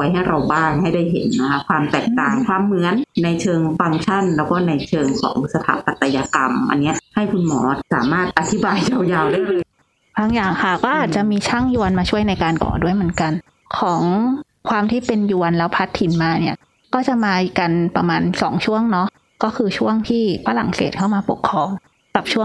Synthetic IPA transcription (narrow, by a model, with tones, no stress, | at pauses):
wa˧jɦa˥˩jɾa˧wbaː˥˩ŋha˥˩jda˥˩jɦḛ˩˦nːa˦˥kʰa˦˥kʰwaː˧mt̪ɛː˨˩k̚t̪aː˨˩ŋkʰwaː˧mːɯ˧˥ənːa˧jt͡ɕʰɤː˧ŋfa˧ŋt͡ɕʰa˥˩nlɛː˦˥wkɔː˥˩na˧jt͡ɕʰɤː˧ŋsɔ̰ː˩˦ŋsa˧t̪ʰa̰˨˩˦p̚ːa˨˧˩t̪ːa˧jaː˧ka˧mʔa̰˧nːi˦˥ɐʔha˥˩jkʰu˧nmɔ̰ː˩˦sa̰ː˩˦maː˥˩t̪̚ʔa˧t̪ʰi˦baː˧jt͡ɕa˧wjaː˧wdaː˥˩jɾɯː˧˥˩j | baː˧ŋjaː˨˩ŋkʰa˦˥˩kɔː˥˩ʔaː˨˩t̪̚t͡ɕa˨˩ʔmiː˧t͡ɕʰa˥˩ŋju˧ənmaː˧t͡ɕʰu˥˩əjna˧jkaː˧nkɔ̰ː˨˩du˥˩əjmɯ˩˦nka˧n | kʰɔː˩˦ŋ | kʰwaː˧mt̪ʰiː˥˩pe˧nju˧ənlɛː˦˥wpʰa˦˥t̪ʰːi˨˩˦nmaː˧ni˦˥˩ɐ | kɔː˥˩t͡ɕa˨˩ʔmaː˧˨˩ka˧npa˧maː˧nsɔ̰ː˩˦ŋt͡ɕʰu˥˩əŋnɔ˦˥ | kɔː˥˩kʰɯː˧t͡ɕʰu˥˩əŋt̪ʰiː˥˩fʰaː˧la̰˨˩˦ŋsḛː˨˩t̪̚ʰa˥˩wmaː˧pu˨˩əkʰːɾɔː˧ŋ | ka˨˩p̚t͡ɕʰu˥˩ə˨ŋ